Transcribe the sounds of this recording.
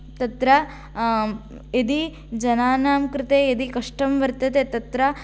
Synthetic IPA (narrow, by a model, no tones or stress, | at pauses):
t̪ɐt̪ɾɐ | ed̪i | d͡ʒɐnaːnaːmkɾɪt̪eːed̪ikɐʂʈɐmʋɐɾt̪ɐt̪eːt̪ɐt̪ɾɐ